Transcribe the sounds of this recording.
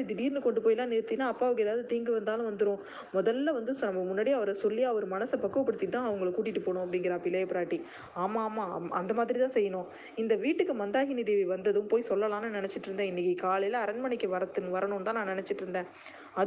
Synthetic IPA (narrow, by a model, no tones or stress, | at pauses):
d̪t̪iːɾnɯkɔɳɖɯpoːjɪlːãːniːɾt̪ːinːaːɐpːaːɐʋɯkːeːðaːʋɯðɯt̪iːŋɡɯʋɐnd̪aːlʊ̃ʋɐnd̪ɯɾʊ̃ː | mɔðɐlːɐʋɐnd̪ɯnɐmːɐmʊnːaːɽijaːʋɐɾɐsɔlːɪjaːʋɔɾɯmɐnɐsɐpɐkːɯʋɐpːɐɽɯt̪ːɪt̪ãːɐʋɐŋɡɐɭkːuːʈ̬ːɪʈːɯpoːɳʊ̃ɐpːɐɽɪŋɡɪɾɐpɪlːɐjɐpɪɾaːʈːi | aːmaːmːaːɐnd̪ɐmaːðɪɾit̪ãːsɛjːɐnʊ̃ː | ɪnd̪ɐʋiːʈːɯkːɯmɐnd̪aːɣɪnid̪eːʋiʋɐnd̪ɐðɯ̃mpoːjsɔlːɐlaːnɯnɪnɛt͡ʃːɪʈːɪɾɯnd̪ẽːɪnːɪkːɯkaːlɐjɪlɐɐɾɐnmɐɳɪkːɐʋɐɾɐt̪ːɯnʋɐɾɐɳʊ̃nt̪ãːnãːnɪnɛt͡ʃːɪʈːɪɾɯnd̪ẽː | ɐ